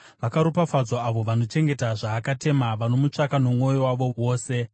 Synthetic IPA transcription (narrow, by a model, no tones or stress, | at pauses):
ʋakaɾupafad͡zoaʋo̞ʋano̞t͡ʃe̞ŋɡe̞taʐaːkate̞maʋano̞mut͡ʂakano̞mŋo̞jowaʋo̞wo̞ːse̞